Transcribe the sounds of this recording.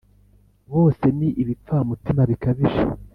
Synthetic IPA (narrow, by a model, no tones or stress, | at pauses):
βo̞ːse̞niʔiβip͡ffamutimaβikaβiʒa̰